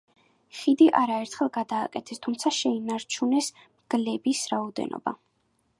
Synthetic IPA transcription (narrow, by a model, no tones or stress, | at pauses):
χid̪iʔaɾaɛɾt̪ʰχɛlˠɡad̪aːkʼɛt̪ʰɛst̪ʰumt̪sʰaʃɛinaɾt͡ʃʰunɛs | mɡ̥lɛbisɾaɔd̪ɛ̰nɔ̰ba̰